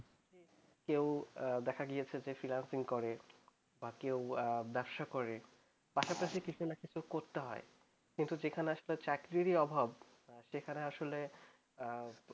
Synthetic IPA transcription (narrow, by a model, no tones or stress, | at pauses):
e | kewd̪ɛkʰaɡijet͡ɕʰed͡ʑefɾilansiŋkɔɾe | bakewbɛbʃakɔɾe | paʃapaʃikit͡ɕʰunakit͡ɕʰukoɾt̪eɦɔe | kint̪ud͡ʑekʰaneaʃolet͡ɕakɾiɾiɔbʱab | ʃekʰaneaʃole